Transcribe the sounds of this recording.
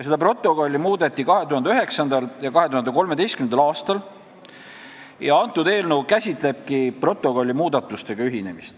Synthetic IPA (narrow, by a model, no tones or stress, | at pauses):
jɑse̞d̪̥ɑpro̞t̪ˑːo̞ko̞lʲːimuːd̪e̞t̪ːˑikɑɦe̞t̪uhɑnd̪eyɦe̞ksɑnd̪ɑljɑkɑɦeuhɑnd̪eko̞lme̞d̪e̞jst̪kymend̪ɑlɑːst̪ɑl | jɑɑnt̪ːˑud̪̥e̞ːlnəwkæsʲit̪ˑle̞b̥̚kipro̞t̪ːˑo̞ko̞lʲːimuːd̪̥ɑt̪ːˑust̪e̞ɡ̥ɑyɦine̞mist̪